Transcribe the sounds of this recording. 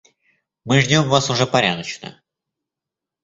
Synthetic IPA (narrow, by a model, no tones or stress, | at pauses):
mɨʐnʲo̞mvasʊʐɛpɐɾʲa̰d̪ət͡ɕnə̰